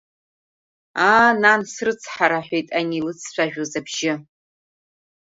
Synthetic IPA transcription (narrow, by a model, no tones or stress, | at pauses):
aːnansrɨt͡sʰħaɾaħᶣʷejtʼanilɨt͡sʰʃʷʰᶣaʒᶣozabʒɪ